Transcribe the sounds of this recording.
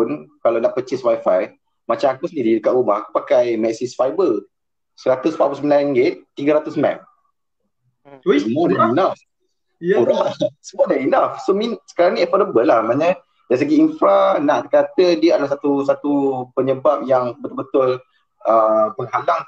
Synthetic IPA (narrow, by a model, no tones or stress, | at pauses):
punkalawnaʔpət͡ʃɪswajfaj | mat͡ʃamakusəndididəkat̪ubahakupakajmɛksisfajbə | səɾat̪usfabusmilãŋɡɪt̪ːiɡəɾat̪usmɛ̰k̚ | səmuɔdaainaf | oɾasəmɔdainafsominsə̥kaɾaŋniɛfɔdəbəlːahmaɲə | dajs̬əɡiinfɾanaʔt̪əkat̪ədiəadəlahs̬at̪usat̪upəɲəbap̚jaŋbət̪ʊlbət̪ʊl | əpəŋhalaŋ